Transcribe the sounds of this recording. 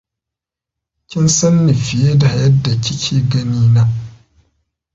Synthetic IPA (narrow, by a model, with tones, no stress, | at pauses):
kʲɪ˦nsɐ˦nːi˨fɪ˨je˦da˨jɐ˦dːa˨t͡ʃʲɪ˦kʲʰiː˦ɡɐ˦niː˦na˦